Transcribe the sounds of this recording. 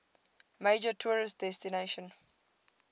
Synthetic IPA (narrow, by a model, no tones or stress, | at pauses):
med͡ʒətʰuɹist̚dɛstineʃə̃n